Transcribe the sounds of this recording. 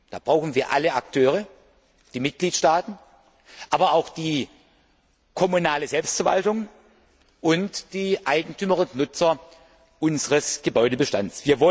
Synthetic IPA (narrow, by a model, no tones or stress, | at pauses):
d̥aːb̥ʁaʊxn̩viːɐʔaləak̚tʰøːʁə | d̥iːmɪt̚ɡ̥liːtʃtaːtn̩ | ʔaːbɐaʊxd̥iː | kʰɔmunaːləzɛlpstfɛɐva̰ltʊŋ | ʔʊntd̥iːʔaɪɡŋ̩tʰyːməʁʊntnʊt͡sɐ | ʔʊnzəʁəsɡ̥əbɔʏdəbəʃtant͡sv̥iːɐvɔ